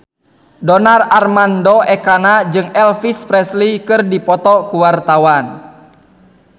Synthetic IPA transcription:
dɔnararmandɔʔɛkanad͡ʒɨŋɛlfispɾɛslikɨrdipɔt̪ɔkuwart̪awan

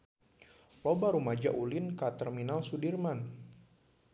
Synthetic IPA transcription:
lɔbaɾumad͡ʒaʔulɪnkat̪ɛrminalsudirman

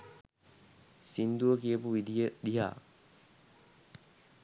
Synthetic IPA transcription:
sind̪uʋəkijəpuʋid̪ijəd̪iɦa̰ː

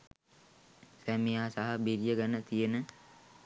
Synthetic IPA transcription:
sæmijaːsaɦəbiɾijəɡanət̪ijenə

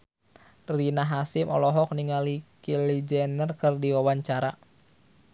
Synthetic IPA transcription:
rinaɦasɪmʔɔ̰lɔɦɔk̚niŋalikilid͡ʒɛnərkɨrdiwawaɲt͡ʃaɾa

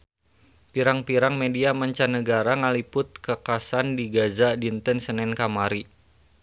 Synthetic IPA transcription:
piɾaŋpiɾaŋmediaməɲt͡ʃanəɡaɾaŋalipʊt̪̚kəkasandiɡazadint̪ənsənɛnkamaɾi

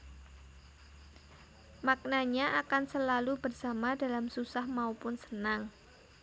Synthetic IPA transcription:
mak̚naɲaʔakansəlalubərsamadalamsusahmaupʊnsə̥naŋ

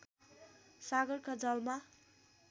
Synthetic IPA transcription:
saɡʌrkad͡zʌlma

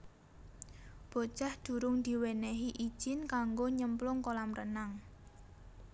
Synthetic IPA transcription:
b̥o̤̥ʒ̥a̤hd̪̥ṳɾʊŋd̪̥i̤wɛnɛɦiʔi̥ʒ̥ɪnkaŋɡoɲəmplʊŋkolamrənaŋ

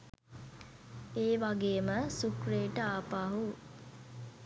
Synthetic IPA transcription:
eːʋaɡeːməsukreːʈəaːpaːɦu

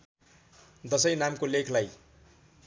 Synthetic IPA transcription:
d̪ʌsʌjnamkolekʰlaj

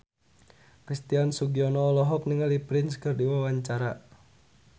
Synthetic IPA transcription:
kɾist̪iansuɡiɔnɔːlɔɦɔp̚niŋalipɾɪnskɨrdiwawaɲt͡ʃaɾa

